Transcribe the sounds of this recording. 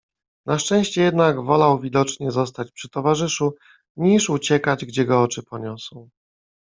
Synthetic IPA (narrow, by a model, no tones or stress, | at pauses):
nʔaʂt͡ʂɛ̃w̃ɕt͡ɕɛjɛd̪naɡvɔlawvʲid̪ɔt͡ʂɲɛzɔst̪at͡ɕpʂɘ̥t̪ɔvaʐɘʂu | ɲiʂut͡ɕɛkad͡ʑɡd͡ʑɛɡɔɔt͡ʂɘpɔɲɔsɔ̃w̃